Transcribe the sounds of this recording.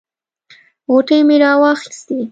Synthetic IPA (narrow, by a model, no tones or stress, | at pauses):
ɣoʈəjmeɾɑwɑxi̥st̪i